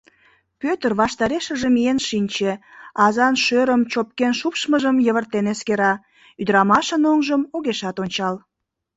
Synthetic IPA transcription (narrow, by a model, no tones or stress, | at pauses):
pøt̪ərβɑʃt̪ɑɾeʃəʒemijenʃinʲt͡ɕeɑzɑnʃøɾəmt͡ɕop̚kenʃupʃməʒəmjəβərt̪eneskeɾɑ | yd̪ɾɑmɑʃənoŋʒəmoɣeʃɑt̪onʲt͡ɕɑl